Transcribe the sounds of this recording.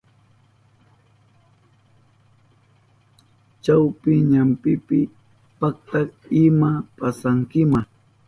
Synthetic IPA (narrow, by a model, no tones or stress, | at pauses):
t͡ʃawpɪɲampɪpɪ | pak̚t̪akɪmapasaŋkɪmaŋ